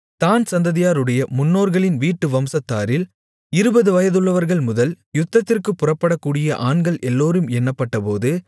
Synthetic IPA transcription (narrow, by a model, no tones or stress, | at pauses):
t̪aːnsɐnd̪ɐðɪjaːɾɯɽɐjɐmʊnːoːɾɣɐɭɪnʋiːʈːɯʋɐmsɐt̪ːaːɾɪl | ɪɾɯbɐðɯʋɐjɐðɯɭːɐʋɐɾɣɐɭmʊðɐl | jʊt̪ːɐt̪ːɪrkɯpːʊrɐpːɐɽɐkːuːɽɪjɐʔaːɳɡɐɭʔɛlːoːɾɯmɛnːɐpːɐʈːɐpoːðɯ